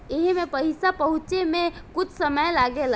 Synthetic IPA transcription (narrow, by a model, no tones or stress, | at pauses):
eɦmepəɪsapəɦũt͡ʃemekut͡ʃʰsəməjlaɡel